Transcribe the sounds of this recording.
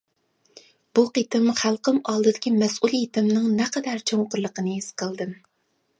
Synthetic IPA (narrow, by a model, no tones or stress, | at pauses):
b̥uqit̪ɪmχælˠqəmɑlˠd̪ɨd̪ɪkʲimɛsulˠjit̪ɪmnɨŋnɛqɛd̪æɾt͡ʃʰoŋqʊɾlˠəqənɨisqʰəlˠd̪ɨm